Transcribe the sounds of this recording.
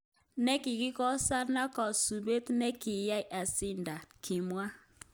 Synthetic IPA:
nɛ˦ki˨ki˦kɔ˦sa˦na˦kɔ˨su˨be˦tnɛ˦ki˨ja˦i˨ʔa˨sɪ˦nda˨kʰi˨mwa˦

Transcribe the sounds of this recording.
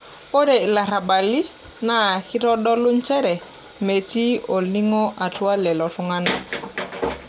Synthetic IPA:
o˦dɛ˨la˨ɾa˨ba˨li˦ | na˦˨ki˦ɾɔ˦dɔ˦lu˦nt͡ʃɛ˦ɾɛ˨ | me˨ti˦ɔ˨li˦ŋɔ˦ʔa˨twa˦lɛ˨lɔ˨tu˦ŋa˦na˨

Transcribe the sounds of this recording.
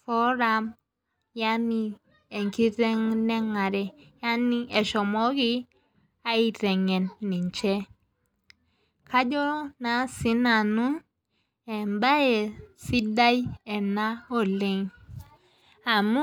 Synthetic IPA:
fɔ˦ɾa˦˧m | ja˦ni˦ | e˨ŋki˦ɾe˦ŋnɛ˦ŋa˨ɾɛ˨ja˦ni˦e˨ʃɔ˨mɔ˦ɡi˦ | a˦i˦ɾɛ˨ŋɛ˨nːi˨ɲt͡ʃɛ˦ | kʰa˦d͡ʒɔ˦na˨si˦na˨nu˦n | ɛ˨mba˦e˨si˦da˦jɛ˨na˦o˦˨le˦ŋ | a˨mu˦

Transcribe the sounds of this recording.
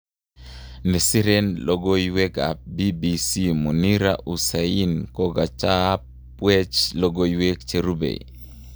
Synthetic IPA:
nɛ˨si˦ɾe˦nlɔɡo˦jiwe˦ka̰˨p̚bi˦bi˨si˦mu˨ni˦ɾa̰ʔu˨sa˨i˦nkɔ˦ɡa˨t͡ʃa˦ | wɛ˦t͡ʃlɔ˦ɡo˦jwe˦kt͡ʃe˦ɾu˦bḛ˨i

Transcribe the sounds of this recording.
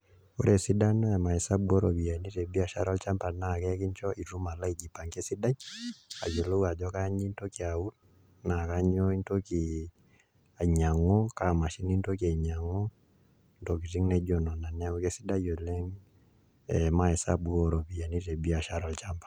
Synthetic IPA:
o˦ɾe˨si˦da˦nɔ˦ɛ˨ma˨hɛ˨sa˦bu˦ɔ˦ɾɔ˨βi˨a˨ni˦tɛ˨bi˦a˨ʃa̰˦ɾɔ˦lt͡ʃa˦mpa˨na˨kɛ˦ki˦ɲt͡ʃɔ˦ʔi˨tu˦ma˨la˦i˦d͡ʒi˨pa˨ŋke˦si˦da˦ɲa̰˨jo˨lo˦wa˨d͡ʒɔ˦ka˦ɲi˦nto˦kia˨u˦t | na˨ka˦ɲɔ˦i˦nto˦ki˨ | a˨ɲa˨ŋɔ˦ka˨ma˨ʃi˦ni˦ntɔ˦ka˨ɲa˨ŋɔ˦ | ndɔ˨ki˨ɾi˦ŋnɛ˦d͡ʒɔ˨nɔ˨na˨nɛ˦o˨˦ke˦si˦da˦jo˨lɛ˦ŋ | ɛ˨ma˨hɛ˨sa̰˦bu˦ɔ˦ɾɔ˨βi˨ja˨ni˦tɛ˨bi˦a˨ʃa˦ɾɔ˨lt͡ʃa˦mpḁ˨

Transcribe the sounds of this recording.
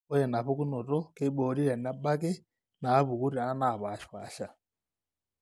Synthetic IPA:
o˦jɛ˨na˨ɸo˦ku˦no˨to˦ke˦ɓoː˨˦ɾi˦ɾɛ˨na˦ɓa˦k̬e˦ | naː˨˦βu˨ku˦ɾe˨a˦na˨βa˨ʃwa˨ʃa˨

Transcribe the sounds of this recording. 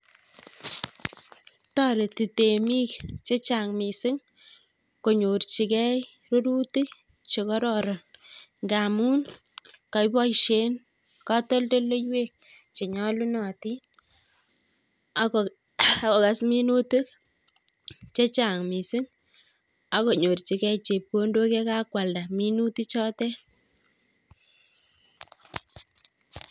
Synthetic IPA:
ta˦ɾe˨ti˨te˨mi˦kt͡ʃe˦t͡ʃa˨ŋmi˨sɪ˦ŋ | ko˨ɲo˨ɾt͡ʃi˨kɛ˦j | ro˦ɾu˦tɪ˦k̚ | t͡ʃe˨kɔ˦ɾɔɾa˨ŋɡa˨mu˦n | ka˨jbɔ˦jʃe˦n | kɑ˦tɔ˦lte˦le˦jwe˦k̚ | t͡ʃe˨ɲɔ˦lu˦nɔ˨ti˦ | kɔ˨ka˨smi˦nu˦tɪ˦k | t͡ʃe˦t͡ʃa˨ŋmi˨sɪ˦ŋ | a˦ko˨ɲo˨ɾt͡ʃi˨˦kɛ˦t͡ʃe˨p̚ko˦ndo˦ke˦ka˦kwa˨lda˨mi˦nu˦ti˦t͡ʃɔ˦tɛ˦

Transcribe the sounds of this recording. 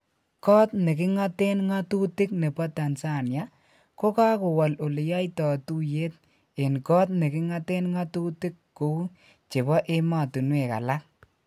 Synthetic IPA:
kɔ˦tne˨kɪ˦ŋa˦te˦nŋa˦tu˦tɪ˦k̚ne˨pa˦ta˨nsa˦˨nja˦ | ko˦ka˦ko˨wa˨lo˨le˨ja˦jtɔ˨tu˦je˦t̚ | e˨nkɔ˦tne˨kɪ˦ŋa˦te˦nŋa˦tu˦tɪ˦kːo˨˦ | t͡ʃe˨bɔ˦ʔe˦ma˨tu˨nwe˨ka̰˨la˦k̚

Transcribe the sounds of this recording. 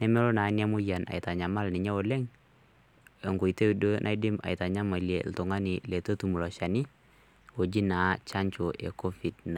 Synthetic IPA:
nɛ˦mɛ˦ɾo˦na˨˦nja˦mʊ˦ja˨na̰˨ɪ˨ta˨ɲa˨ma˦lnɪ˨ɲɛ˦ɔ˨lɛ˦ŋ | e˨ŋɡʊ˨jte˦u˨do˦nʔa̰˦jdɪ˦ma̰˨ɪta˨ɲa˦ma˨ljḛ˨ltʊ˨ŋa˦nɪ˨le˨to˦tu˨mu˨lɔ˨ʃa˨nɪ˦ | o˨d͡ʒi˦na˨t͡ʃa˦ɲt͡ʃo˨ʔḛ˨ko˦fi˨dna˨

